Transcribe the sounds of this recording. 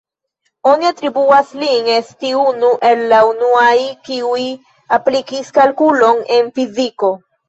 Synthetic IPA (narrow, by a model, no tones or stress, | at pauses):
oniat̪ɾibuasliŋest̪iunuʔe̞lːaunuajkiuj | aplikiskalkulo̞nenfiziko̞